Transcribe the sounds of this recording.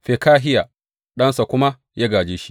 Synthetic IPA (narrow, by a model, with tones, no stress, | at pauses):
ɸe˨kaː˦ɦɪ˦ja˨ | ɗɐ˦nsa˨kʷʊ˦ma˦ | jaː˦ɡaː˨d͡ʒeː˦ʃi̥˦